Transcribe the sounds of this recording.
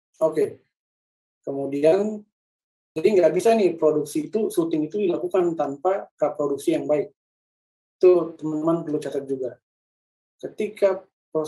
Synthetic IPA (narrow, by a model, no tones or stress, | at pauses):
oke | kəmudian | d͡ʒadiŋɡaʔbisanɪhpɾoduksiːt̪usut̪ɪŋit̪udilakukant̪ampakəpɾoduk̚sijaŋbaɪk̚ | it̪ut̪əmənt̪əmanpərlut͡ʃat̪at̪̚d͡ʒuɡa | kət̪ika | pɾo